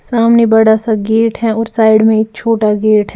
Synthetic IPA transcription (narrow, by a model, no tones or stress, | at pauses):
saːmnebɐɽasaɡeːɾʈɦɛɔːɾsaːɪɖmẽeːk̚t͡ʃʰoːʈaɡeːɾʈɦɛ